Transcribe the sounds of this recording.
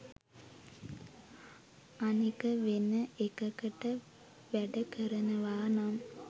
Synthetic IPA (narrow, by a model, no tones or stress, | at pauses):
ɐnikɐʋenɐʔekɐkɐʈːɐ | ʋɛɖɐkɐɾɐnɐʋaːnam